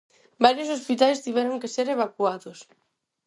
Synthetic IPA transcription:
baɾjos̬ospit̪alest̪iβeɾoŋkeseɾeβakuat̪us

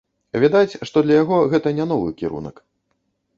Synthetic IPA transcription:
vʲad̪at͡sʲʂt̪ɔd̪lʲɐjaɣɔɣɛt̪ɐnʲɛn̪ɔvɨ̰kʲiɾṵnɐ̰k

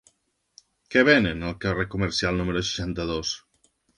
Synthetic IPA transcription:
kɛβenenəlˠkərekuməɾsialˠnumeɾos̬i̥ʃant̪əðos

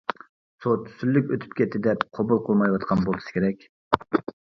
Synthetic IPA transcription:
sot̪ʰy̥sylːykʲøt̪ʰy̥p̚kʲɛt̪ʰːɪd̪ɛpqʰobulˠqʰəlˠmɑjwɑt̪qʰɑnbolˠɨ̥sɨ̥kʲʰeɾɛkʲ

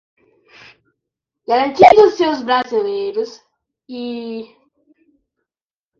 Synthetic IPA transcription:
ɡ̥aɾɐ̃nt͡ʃid̪ʊsewzbɾazilejɾʊs | i

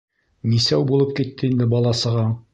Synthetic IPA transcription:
nisæwbulˠɤp̚kit̪ːɘind̪ɘbɑlˠɑsɤ̆ʁɑ

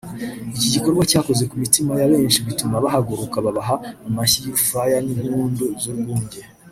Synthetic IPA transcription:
iciɟiko̞ɾɡwacaːko̞ze̞kumitimajaβe̞ːnʃiβitumaβahaɡuɾukaβaβaɦaumaçijufajanimuːnduzuɾɡuːɲɟe

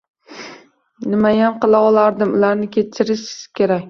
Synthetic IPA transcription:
nɪmajamqɨlˠaɒlˠaɾd̪ɪmʊlaɾnɪkʲʰe̞t͡ʃʰːɪɾɪʃɪz̥kʲe̞ɾakʲ

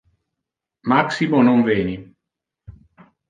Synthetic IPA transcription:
maksimonoɱveːni

